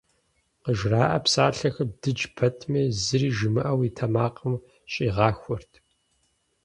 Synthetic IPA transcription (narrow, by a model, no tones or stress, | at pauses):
qəʒraːʔɐpsaːɬɐxɐb̚d̥ɨd͡ʒpʰɐtʰmeːzɨriːʒɨmɨʔɐwitʰɐmaːqəm | ɕʼiːʁɑːxʷɔrtʰ